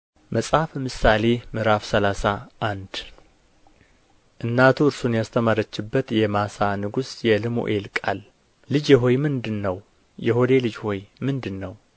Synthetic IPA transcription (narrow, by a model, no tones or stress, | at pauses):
məsʼhafmɨsale̞mɨɾafsəlasaʔand̪ | ʔɨnːat̪ʰuɨɾsunjast̪ʰəmaɾət͡ʃːɪbːət̪jɛmasanɨɡusjɛlɨmo̰ʔelkʼalː | ɨd͡ʒjɛɦo̞jmɨnd̪ɨnːəw | jɛɦod̪e̞lɨd͡ʒho̞jmɨnd̪ɨnːəw